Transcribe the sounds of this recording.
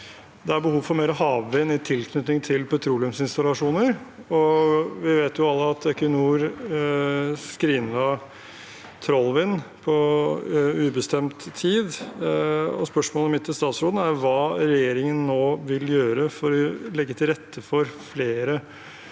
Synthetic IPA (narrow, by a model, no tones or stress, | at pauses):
d̪ɛæɾbəhuːʋfɔɾmeːɾɔɦɑːʋʋɪnɪt̪ʰɪlkʰnʉt̪nɪŋt̪ʰɪlpʰɛt̪ʰɾuːlɪʉmsɪnst̪ɑlɑʂuːnəɾɔʋɪʋeːt̪jʊɑlːəɑt̪œkənuːɾ | skɾiːnɑ | t̪ʰɾɔlːʋɪnpʰɔ | ʉːbəst̪ɛmt̪ʰːiːd̪ | ɔ̰spœʂmoːlɔmɪt̪ʰːɪst̪ɑːt̪sɾoːd̪n̩æɾʋɑːɾɛjeːɾɪŋənːoːʋɪljøːɾəfɔɾɔlɛɡːət̪ʰɪlɾɛt̪ʰːəfɔɾfleːɾə